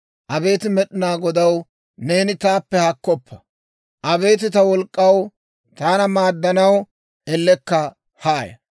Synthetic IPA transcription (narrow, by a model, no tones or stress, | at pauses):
ʔɐbe̞ːt̪ɪmɛɗɪnaːɡɔd̪ɐw | ne̞ːnɪt̪aːpːɛhɐkːɔpːɐ̥ | ʔɐbe̞ːt̪ɪt̪ɐwɔlkʼːɐw | t̪aːnɐmaːd̪ːɐnɐw | ɛlːɛkːɐ | haːjɐ̰